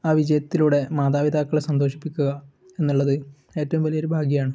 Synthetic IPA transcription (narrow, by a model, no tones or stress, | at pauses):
aːʋid͡ʑɐjɐt̪ːiluɽe̞maːd̪aːʋid̪ʱaːkːɐɭsɐnd̪oːʂi̥pːikʲːuɣɐ | e̞nːuɭːɐðɨ | e̞ːtːɐʋumʋɐljɐɾubʱaːɡjɐjaːɳɨ